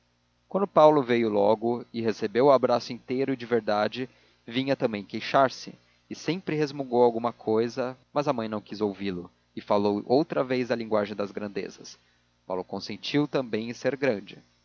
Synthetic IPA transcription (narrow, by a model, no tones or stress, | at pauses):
kwɐ̃nd̪ʊpawlʊvejʊlɔɡʊɪɦesebewʊabɾasʊĩt̪ejɾʊɪd͡ʒɪveɾd̪ad͡ʒɪ | vĩɲɐt̪ɐ̃mbẽj̃kejʃaɾsɪ̰ | ɪsẽpɾɪɦezmuɡowawɡũmɐkʰojzɐmɐzɐmɐ̃j̃nɐ̃w̃kizowvilʊ | ɪfalowʔowt̪ɾɐvejzd̪ɐlĩŋɡwaʒẽj̃d̪ɐzɡɾɐ̃nd̪ḛzɐs | pa̰wlʊkõsẽnt͡ʃiwt̪ɐ̃mbẽj̃ɪseɾɡɾɐ̃d͡ʒɪ